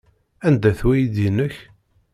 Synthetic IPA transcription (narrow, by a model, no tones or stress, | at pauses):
ænd̪æθwæjid̪inəç